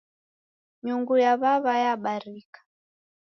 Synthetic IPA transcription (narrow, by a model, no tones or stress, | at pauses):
ɲuŋɡujaβaβajaɓaɾikḁ